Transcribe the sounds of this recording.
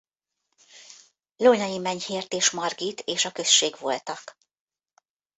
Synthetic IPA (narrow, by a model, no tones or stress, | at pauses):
loɲɒjimɛɲheːrt̪eːʃmɒrɡiːt̪ʰeːʃɒkø̞ʃːeːɡʋolt̪ɒk